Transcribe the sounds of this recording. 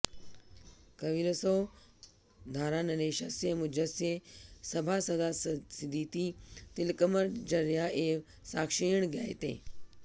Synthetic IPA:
kɐʋiɾəso | d̪ʱaːɾaːnɐneːʃɐsemʊd͡ʒəsesɐbʱasɐd̪asɪd̪ʱiːt̪it̪ɪlkəməɾd͡ʒɐɾjaʔeː | saːkʃijəɽ̃ɡjaːet̪ḛː

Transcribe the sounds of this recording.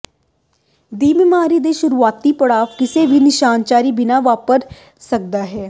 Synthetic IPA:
d̪iːmɪmaːɾiːd̪eːʃʊɾuːaːt̪iːpəɽaːʋkɪseːʋʱinɪʃaːnt͡ʃaːɾiːbɪnaʋaːpəɾ | sək̚d̪aːɦɛː

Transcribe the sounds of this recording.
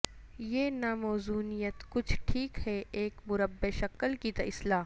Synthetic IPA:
jeːnaːmɔːzuːnijət̪kʊt͡ʃʰʈʰiːkhɛʔeːkmʊɾəbːeʃɐkəlkit̪ɐɪslaː

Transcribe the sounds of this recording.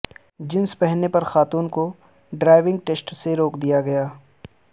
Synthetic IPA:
d͡ʒɪnspɛɦnepɐɾxaːt̪uːnko | ɖɾaːɪʋɪ̃ŋɡʈeːsʈseɾoːkd̪ijaɡɐjaː

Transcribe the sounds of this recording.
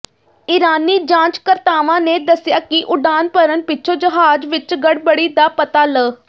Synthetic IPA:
ɪɾaːniːd͡ʒãːt͡ʃkəɾt̪aːʋãːneːd̪əsɪjaːkɪʔʊɖaːnpəɾənpɪtːʃʰoːd͡ʒəɦaːd͡ʒʋɪt͡ʃɡəɽbəɽiːd̪aːpət̪aːləː

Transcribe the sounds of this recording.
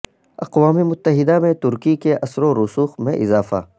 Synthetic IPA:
ɐqwaːmemʊt̪ːəɦɪd̪amẽt̪ʊɾkikeʔɐsɾoɾusuːxmḛ̃ʔɪzaːfa̰ː

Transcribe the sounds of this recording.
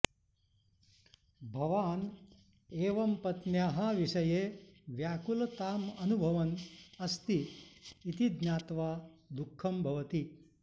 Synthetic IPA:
bʱɐʋaːn | eːʋɐmpɐt̪njaːɦɐʋiʂɐjeːʋjaːkulɐt̪aːmɐnubʱɐʋɐnɐst̪iː | t̪id̪njaːt̪ʋaːd̪ukʰːɐmbʱɐʋɐt̪i

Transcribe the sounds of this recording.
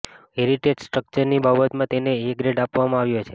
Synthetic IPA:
eɾiʈed͡ʒsʈɾək̚t͡ʃəɾnibabət̪mãt̪eneːɡɾeɖapʋamãaʋjot͡ʃʰe

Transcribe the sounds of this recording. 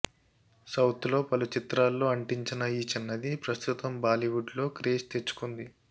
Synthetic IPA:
sɐwt̪lo̞ːpɐlut͡ʃit̪ɾaːlːo̞ːɐɳʈiɲt͡ʃinɐiːt͡ʃɛnːɐd̪ipɾɐst̪ut̪ɐmbaːliʋuɖlo̞ːkɾeːst̪e̞t͡ʃːu̥kund̪i

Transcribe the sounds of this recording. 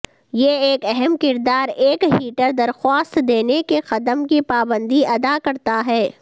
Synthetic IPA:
jeeːkɛɦɛmkɪɾd̪aːɾeːkɦiːʈəɾd̪ɐɾxwaːst̪d̪eːnekexɐd̪əmkipaːbə̃nd̪iɐd̪akɐɾt̪aɦɛː

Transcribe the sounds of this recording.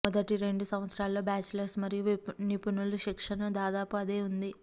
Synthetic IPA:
mɔd̪ɐʈiɾe̞ɳɖusɐ̃mʋɐt̪sɾaːlːo̞ːbaːt͡ʃulɐɾsmɐɾijunipunuluʃikʂɐnɐd̪aːd̪aːpuɐd̪e̞ːund̪i

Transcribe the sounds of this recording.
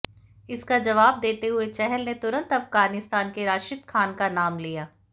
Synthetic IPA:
ɪskad͡ʒɐʋaːb̚d̪eːt̪eɦʊet͡ʃɛɦɛlnet̪ʊɾə̃nt̪ɐfɡaːnɪst̪aːnkeɾaːʃɪt̪kʰaːnkanaːmlijaː

